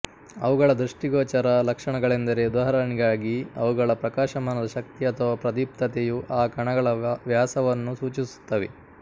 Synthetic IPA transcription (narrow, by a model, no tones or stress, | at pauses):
ɐʋuɡɐɭɐd̪ɾuʂʈiɡɔːt͡ʃɐɾɐlɐkʂɐɳɐɡɐɭend̪ɐɾe̞ːud̪ɐɦɐɾɐniɡaːɡiɐ̰ʋuɡɐɭɐpɾɐkaːʃɐmaːnɐd̪ɐʃɐk̚t̪iɐt̪ʰɐʋɐpɾɐd̪ip̚t̪ɐt̪ejuʔaːkɐɳɐɡɐɭɐʋjaːsɐʋɐnːusuːt͡ʃisu̥t̪ːɐʋe